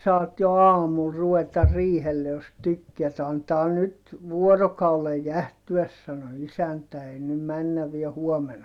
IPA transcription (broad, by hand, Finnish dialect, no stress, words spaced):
sɑːt jo ɑːmul ruʋetɑ riːhelːe jos tykːeæt ɑntɑː nyt ʋuorokɑulej jæhtyæs sɑno isæntæ ei nym mænːæʋ ʋiæ huomen